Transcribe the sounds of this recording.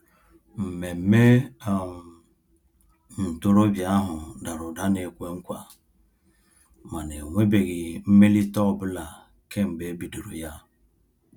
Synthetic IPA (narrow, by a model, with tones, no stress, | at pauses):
m̩˨me˨m̩˦me˦˨ | n̩˨to˦ɾo˦bja˦ɦʊ˨da˨ɾʊ˨da˦ne˨kʷe˦ŋ̩˦kʷa̰˨ | ma˨ne˨ŋʷe˦be˨ɣi˨m̩˦me˦li˦tɔ˦˨bʊ˦la˨ | ke˦ŋ͡m̩˨ɡ͡be˨˦bi˨du˨ɾo˨ja˦